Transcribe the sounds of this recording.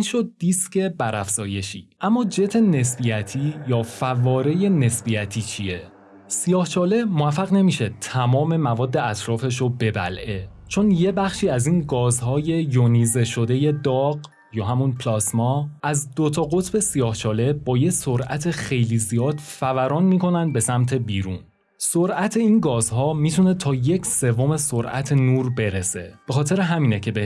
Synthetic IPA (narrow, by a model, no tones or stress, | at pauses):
inʃo̞d̪̚d̪isce̞bæɾæfz̥ɒːje̞ʃḭːʔæmːɒːd͡ʒe̞t̪ʰe̞ne̞sbijæt̪ʰiːjɒːfævɒːɾe̞je̞ne̞sbijæt̪ʰiːt͡ʃʰie̞ | sijɒːht͡ʃʰɒːle̞moæfːæɣne̞miːʃe̞t̪ʰæmɒːme̞mævɒːd̪ːe̞æt̪ʰɾɒːfe̞ʃ̬obe̞bæ̰lʔet͡ʃʰo̞nje̞bæxʃiːæziːnɡɒːzhɒːje̞joniːze̞ʃo̞d̪e̞je̞d̪ɒːɢ | jɒːɦæmunpʰlɒsmɒæzd̪ot̪ʰɒɣo̞t̪ʰbe̞sijɒːht͡ʃʰɒːle̞bɒːje̞soɾʔæ̰t̪ʰe̞xe̞jliːzijɒːd̪̥fævæɾɒːnmiːko̞nænd̪̚be̞sæmt̪ʰe̞biːɾṵːn | soɾʔæt̪ʰe̞iːnɡɒːzɦɒːmiːt̪ʰune̞t̪ʰɒːje̞cʰse̞vome̞soɾʔæ̰t̪ʰe̞nuːɾbe̞ɾese̞̰b̥exɒːt̪ʰe̞ɾeɦæmiːnecʰe̞be